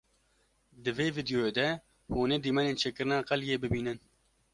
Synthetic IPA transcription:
d̪ɨveːvid̪joːeːd̪ɛ | hoːnɛːd̪iːmɛneːnt͡ʃʰeːkɨɾɨnɑːqɛljeːbɨbiːnɨn

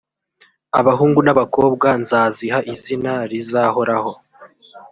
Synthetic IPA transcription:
aβaɦuːŋɡunaβako̞ːb̚ɡanzaːziɦaʔizinaɾizaːho̞ɾaho̞

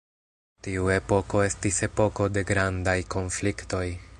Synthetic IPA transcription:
tiue̞po̞ko̞e̞stise̞po̞ko̞de̞ɡɾandajko̞nflikto̞j

